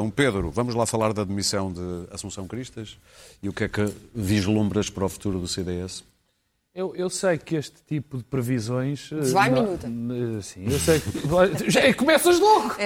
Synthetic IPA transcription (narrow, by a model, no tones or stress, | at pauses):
ɐ̃w̃peðɾṵvɐmuʒlˠafɐlˠaɾðɐðmisɐ̃w̃d̪ɨɐsũsɐ̃w̃kɾiʃt̪ɐʃ | iukɛkɨviʒlˠõmbɾɐʃpɐɾɔfu̥t̪uɾuðuseðeɛs | ewewsɐjkeʃt̪t̪ipuðɨpɾɨvizõj̃ʃvaminut̪ɛsĩewsɐjkaʒakumɛsɐʒlˠɔɣu